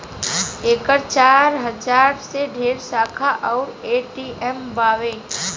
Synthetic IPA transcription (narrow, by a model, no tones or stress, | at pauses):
eːkəɾt͡ʃaːɾɦəd͡ʒaːɾseɖʱeːɾsaːkʰaʔɔːɾeːʈiʔɛmbaːʋeː